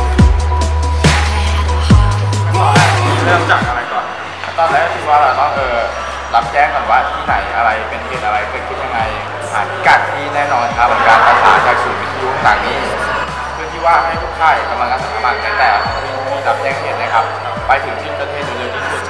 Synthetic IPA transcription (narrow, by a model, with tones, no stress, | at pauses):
ɔ˧˩a˧˩i˧˩a˧˥ɾu˧˥t͡ɕa˨˩k̚ʔa˧ɾa˧jkɔː˨˩n | a˧˩t̪ɔː˧nlɛː˦˥˧tʰɯ˧˥waː˥˩laː˨˩nɔː˦˥˩ŋʔɤː˧ | la˦˥p̚t͡ɕɛː˦˥˩ŋkɔː˨˩waː˥˩t̪ʰiː˥˩na˩˦jʔa˧ɾa˧jpe˧nkʰeː˦˥˩t̪̚ʔa˧ɾa˧jkʰe˧nkʰi˦˥˩ja˧ŋːa˧j | hʰaː˨˩˦n˧ka˨˩t̪̚t̪ʰːiː˥˩nɛː˥˩nɔː˧nkʰa˦˥p̚ːa˧˩kaː˧npa˧sʰa̰ː˩˦nkaː˧˩sʰuː˨˩wi˦˥t̪ʰi˧˩o˧˩t̪aː˨˩ŋniː˦˥ | pʰɯ˥˩ənt̪ʰiː˥˩waː˥˩ha˥˩jʰo˦˥k̚k̪ʰaː˥˩jka˧mla˧ŋaː˧˩sʰa˨˩k̪ʰa˧˩maː˥˩t͡ɕaː˧˩t̪ɛː˨˩˧tʰi˥˩˧miː˥˩la˦˥p̚t͡ɕɛː˦˥˩ŋtʰeː˦˥˩t̪̚na˦˥kʰa˦˥p̚ː | pa˧jt̪ʰɯ˩˦ŋpʰi˥˩t̚pɾa˧t̪ʰeː˥˩t̪̚e˧˩le˧˩tʰiː˧˥˩